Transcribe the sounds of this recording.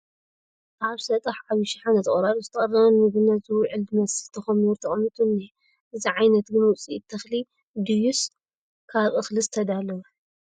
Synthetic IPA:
ʔaβsɐt̪ʼɐħʕaβiʃiħanɐt̪ʰɐχʼɾaɾuzɨt̪ʰɐχʼɐrːɐβɐnmɨɡɨnːazɨwʕɨlɨmɐsɨzt̪ʰɐxɐmuɾt̪ʰɐχʼɐmːɨt̪ʼunːe | ʔɨziʕajnɐt̪ɡɨnwʊt͡sʼit̪ʰːɐxli | d̪ɨjus | kʰaβʔʼɨxlɨzɨt̪ʰɐd̪alːɐw

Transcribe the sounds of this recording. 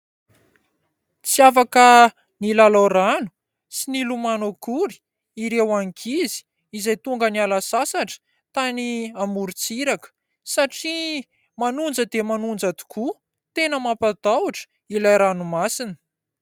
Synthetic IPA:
t͡siafakə | nilalaɾanu̥ | sinilumanokuɾi̥ | iɾewaŋikʰizi̥ | izajt̪uŋɡənialasasaʈ͡ʂə̥ | t̪aniamuɾit͡siɾakə̥ | saʈ͡ʂi | manund͡zəd̪emanund͡zad̪u̥ku | t̪enəmapad̪awaʈ͡ʂə̥ | ilajɾanumasinə̥

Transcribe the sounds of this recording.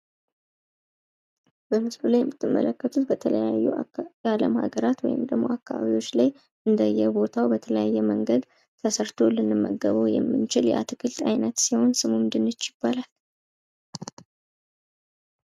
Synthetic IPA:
b̥əmɨslulajɛmːɨt̪ʰːɨmːə̰ləkːət̪ʰut̪bət̪ʰələjajːujaləmha̰ɡəɾat̪wɔ̰jɪ̰md̪əɡmːo̞akːaβa̰βiwo̞t͡ʃːlaj | ʔɨnd̪əjːɛbo̞t̪ʰawbət̪ʰələjajːɛməŋɡəd̪ | t̪ʰəsəɾt̪ʰolɨnːɨmːəɡəβojɛ̰mːɨnt͡ʃɪljɛ̰ʔa̰t̪ʰɨkʰɨlt̪ʼajnət̪siho̞nsɨmumd̪ɨnːɨt͡ʃːɪb̥ːalal

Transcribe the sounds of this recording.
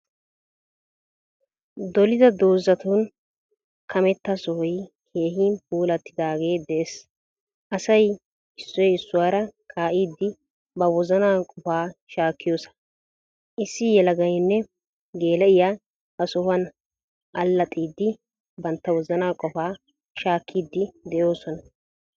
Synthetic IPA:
d̪ɔlɪd̪ɐd̪oːzːɐt̪un | kʰɐmɛt̪ːɐsɔhɔj | kʰe̞ːɦiːnpuːlɐt̪ːɪd̪aːɡe̞ːd̪ɛʔes | ʔɐsɐj | ɪsːɔjɪsːʊwaːɾɐkʰaːʔiːd̪ːɪ | bɐwɔzɐnaːkʼɔfaːʃaːkːɪjoːsɐ̥ | ʔɪsːɪjɛlɐɡɐjnːɛ | ɡe̞ːlɛɪjaː | hɐsɔhɐn | ʔɐlːɐt̪ʼiːd̪ːɪ | bɐnt̪ːɐwɔzɐnaːkʼɔfaː | ʃaːkʰːiːd̪ːɪd̪ɛʔjo̞ːsɔnɐ

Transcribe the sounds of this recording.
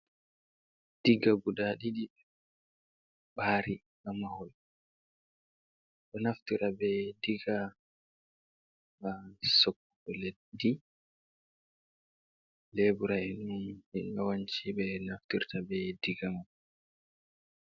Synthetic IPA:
d̥iɡaɡudaɗiɗi | ɓaːɾi | ɡamahɔl | ɗɔnaftiɾabɛdiɡa | ɓasokːuɓɛle | di | leːbuɾaɛnunɛɡawaɲt͡ʃibɛnaftiɾtabɛdiɡaŋu

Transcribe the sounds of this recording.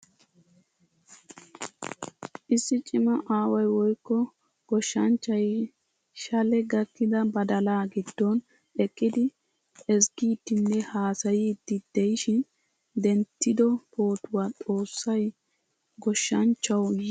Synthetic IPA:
ʔɪsːɪt͡ʃʼɪmɐʔaːwɐjwɔjkːɔ | ɡ̥ɔʃːɐnt͡ʃːɐj | ʃɐlɛɡɐkːɪd̪ɐbɐd̪ɐlaːɡɪd̪ːɔn | ɛkʼːɪd̪ɪ | ɛsɡiːt̪ːɪnːɛhaːsɐjiːt̪ːɪd̪̥ɛjɪʃɪn | d̪ɛnt̪ːɪd̪ɔpʰo̞ːt̪ʊwat̪ʼo̞ːsːɐj | ɡɔʃːɐnt͡ʃːɐwj

